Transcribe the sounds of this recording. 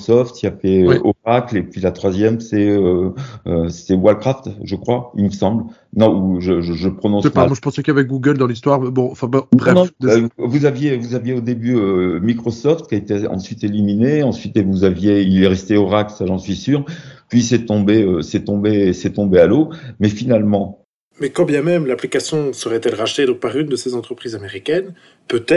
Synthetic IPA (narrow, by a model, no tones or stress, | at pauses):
sɔft̪iafɛøwɛʔɔʁaklepɥilat̪χwazjɛmsɛøøsɛwalkχaft̪ʒəkχwailməsɑ̃bl | nɔ̃uʒəʒəʒəpχɔnɔ̃sɛaamwaʒəpɑ̃sɛkavɛk̚ɡuɡəld̪ɑ̃list̪waʁbɔ̃ɑ̃fɛ̃bbʁɛnɔ̃vuzavjevuzavjeod̪ebyømikχɔsɔft̪̚kʲaet̪eɑ̰̃sɥit̪elimineɑ̃sɥit̪evuzavjeilɛʁɛst̪eɔʁaksaʒɑ̃sɥisyːʁpɥisɛt̪ɔ̃beøsɛt̪ɔ̃besɛt̪ɔ̃bealomɛfinalmɑ̃ | mɛkɑ̃bjɛ̃mɛmlaplikasjɔ̃səʁɛt̪ɛlʁaʃt̪ed̪ɔ̃k̚paʁynd̪əsezɑ̃t̪χəpχiːzameʁikʲɛn | pøt̪ɛ